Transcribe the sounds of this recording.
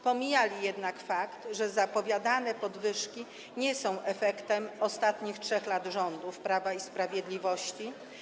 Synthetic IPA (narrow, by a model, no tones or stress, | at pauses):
pɔmʲijalʲijɛd̪nakfakt̪ʐɛzapɔvʲjad̪anɛpɔd̪vɘʂkʲi | ɲɛsɔ̃w̃ʔɛfɛkt̪ɛmɔst̪at̪ɲixtʂɛxlad̪ʐɔnd̪ufpɾavaispɾavʲjɛd̪lʲivɔɕt͡ɕi